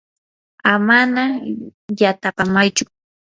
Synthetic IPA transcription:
amanajat̪apamajt͡ʃʊ

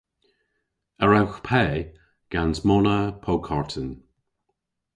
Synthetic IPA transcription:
əɹawxpʰɛː | ɡ̥anzmɔnəpʰowkʰaɹtʰən

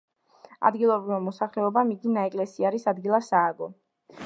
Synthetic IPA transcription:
a̰d̪ɡilˠɔbɾivamɔsaχlɛɔbamid̪inaɛkʼlɛsiaɾisad̪ɡilˠasaːɡɔ

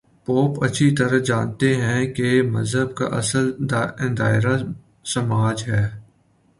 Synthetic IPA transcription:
poːpɐtːʃʰit̪ɐɾəd͡ʒaːnt̪eɦɛ̃kemɐ̰zɦəbka̰ʔɐsəld̪̃d̪aːɪɾa | sɐmaːd͡ʒɦɛː

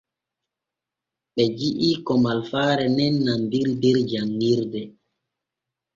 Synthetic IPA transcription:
ɓɛd͡ʒiʔiːkɔmalfaːɾɛnɛnːandiɾdiɾd͡ʒaŋːiɾdɛ

